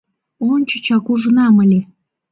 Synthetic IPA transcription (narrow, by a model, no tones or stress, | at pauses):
onʲt͡ɕə̆t͡ɕɑkuʒənɑməlʲe